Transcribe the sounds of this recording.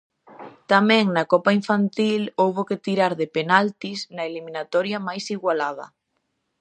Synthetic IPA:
t̪amɛ̃ŋnɐkɔpaiɱfant̪ilowβokɪt̪iɾaɾðepenalt̪isnɐelimĩnat̪ɔɾjamajsiɣwalað̞ɐ̰

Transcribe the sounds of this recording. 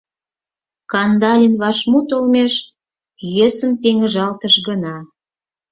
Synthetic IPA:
kɑnd̪ɑlʲinβɑʃmut̪olmeʃ | jøsəmpeŋəʒɑlt̪əʃɡənɑ

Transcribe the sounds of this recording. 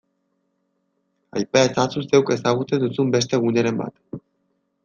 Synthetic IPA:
ajpaet͡sasuse̞wke̞saɣ̞ut͡se̞nd̪usumbe̞st̪e̞ɣuneɾe̞mba̰t̪

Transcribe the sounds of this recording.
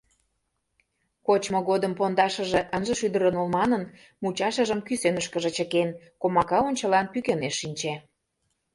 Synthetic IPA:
kot͡ɕmoɣod̪əmpond̪ɑʃə̆ʒĕʔənʒə̆ʃyd̪əɾənolmɑnən | mut͡ɕɑʃə̆ʒə̆mkysenəʃkə̆ʒĕt͡ɕə̆kenkomɑkɑonʲt͡ɕə̆lɑnpykeneʃːinʲt͡ɕe

